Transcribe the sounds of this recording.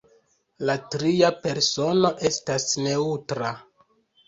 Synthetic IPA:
latɾiape̞ɾso̞no̞ʔe̞stasne̞utɾa

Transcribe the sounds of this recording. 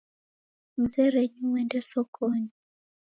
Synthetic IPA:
m̩zɛɾɛɲuwɛndɛsɔkɔni

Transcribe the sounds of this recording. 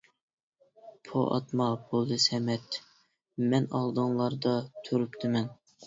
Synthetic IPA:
pʰo̰ʔɑ̰t̪mɑbolˠd̪ɨsɛmɛt̪ | mɛnɑlˠd̪ɨŋlˠɑɾd̪ɑt̪ʰøɾypt̪ʰɪmɛn

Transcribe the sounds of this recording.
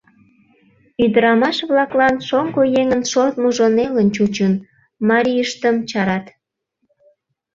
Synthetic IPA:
yd̪əɾɑmɑʃβlɑklɑnʃoŋɡojeŋənʃort̪muʒonelənt͡ɕut͡ɕun | mɑɾʲijəʃt̪əmt͡ɕɑɾɑt̪

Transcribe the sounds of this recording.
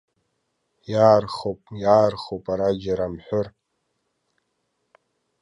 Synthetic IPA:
jaːrχopʼjaːrχowpʼaɾad͡ʒaɾamħʷʊr

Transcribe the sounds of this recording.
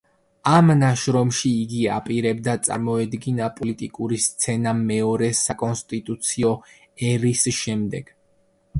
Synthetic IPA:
amnaʃɾɔmʃiːɡia̰pʼiɾɛbd̪at̪sʼa̰ɾmɔɛd̪ɡinapʼɔlit̪ʼikʼuɾist̪sʰɛnamɛɔɾɛsakʼɔnst̪ʼit̪ʼut̪sʰiɔ | ɛɾisʃɛmd̪ɛɡ̥

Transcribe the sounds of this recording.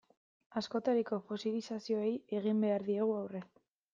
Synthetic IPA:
asko̞t̪aɾiko̞fosilisasio̞eje̞ɣimbe̞aɾðie̞ɣ̞uawre

